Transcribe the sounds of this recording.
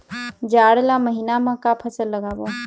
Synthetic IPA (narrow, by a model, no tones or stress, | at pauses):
d͡ʒaːɽlaməɦinamãkapʰəsəlːəɡaːbo